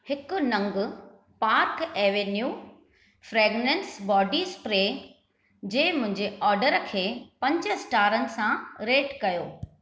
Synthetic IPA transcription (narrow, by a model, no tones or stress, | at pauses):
hɪkʊ̆nɐ̃ŋɡʊ̆ | paːɾkeːʋenjuː | fɾeːɡnẽːnsbɔːɖispɾeː | d͡ʑeːmʊ̃ɦɪ̃ɲd͡ʑeɔːɾɖəɾkʰeːpɐ̃ɲd͡ʑə̆sʈaːɾənɪ̆sãɾeːʈkɐjoː